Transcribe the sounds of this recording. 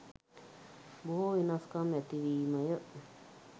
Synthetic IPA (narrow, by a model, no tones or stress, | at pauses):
buhoinãskamãt̪iβimãjəʔ